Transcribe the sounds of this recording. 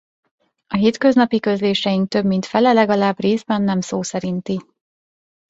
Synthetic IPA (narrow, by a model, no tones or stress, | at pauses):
ɒɦeːt̪kø̞znɒpikø̞zleːʃɛjiŋk̚t̪øbmint̪fɛlɛlɛɡɒlaːbreːzbɛnːɛmsoːsɛɾint̪i